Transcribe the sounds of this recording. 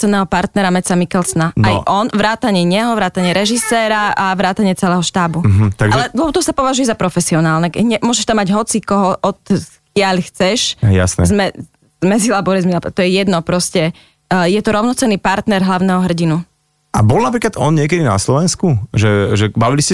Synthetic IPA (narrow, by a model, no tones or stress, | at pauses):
t͡sɛnːɛːɦɔpaɾt̪nɛɾamɛt͡samikɛlsɔnanajʔɔnʋɾaːt̪aɲɪɛɲɛɦɔʋɾaːt̪aɲɪɛɾɛʒisɛːɾaaʋɾaːt̪aɲɪɛt͡sɛlɛːɦɔʃt̪aːbuɦ̩t̪aɡʒalɛd̪ɔt̪ɔsapɔʋaʒujɛzapɾɔfɛsiɔnaːlnɛkɲɛmʊɔːʒɛʃt̪amːaɟɦɔt͡sikɔɦɔʔɔt̪ | kɪaʎxt͡sɛʃja̰snɛ̰zmɛ | zmɛzilabɔɾɛzmɛlat̪ɔjɛjɛd̪nɔpɾɔscɛ | jɛt̪ɔɾɔʊnɔt͡sɛnːiːpaɾt̪nɛɾɦlaʊnɛɦɔɦr̩ɟinu | ʔabɔlnap̬ɾiːklad̪ɔnɲɪɛk̬ɛd̪ina̰slɔʋɛnskuʒɛʒɛbaʋiliscɛ